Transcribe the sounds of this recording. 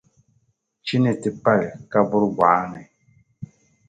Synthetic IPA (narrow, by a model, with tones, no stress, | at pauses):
t͡ʃi˦nɛ˨ti˨pa˦lɪ˨ka˦bʊ˦ɾɡwa˨˦nɛ˨